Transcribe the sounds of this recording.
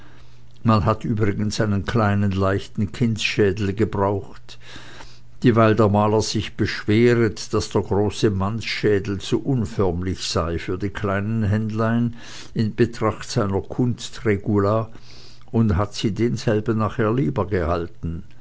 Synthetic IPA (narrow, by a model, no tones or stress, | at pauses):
manɦatyːbʁɪɡənsaɪnənkʰl̥aɪnənlaɪçtn̩kʰɪnsʃɛːdl̩ɡəbʁaʊxt | d̥iːvaɪldeːɐmaːləz̥ɪçb̥əʃv̥eːʁətd̥asd̥eːɐɡʁoːsəmansʃɛːdl̩t͡suʔʊnfœɐmlɪçsaɪfyːɐdiːkʰl̥aɪnənɦɛndlaɪn | ɪnb̥ətʁ̥aχtz̥aɪnɐkʰʊnstʁeɡulaː | ʊndɦatsiːdeːnzɛlbən̩naχheːɐliːbəɡəhaltn̩